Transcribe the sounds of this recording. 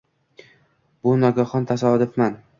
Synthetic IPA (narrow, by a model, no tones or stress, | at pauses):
b̥ʊnɒɡʲaχɒnt̪ʰasad̪ɪfman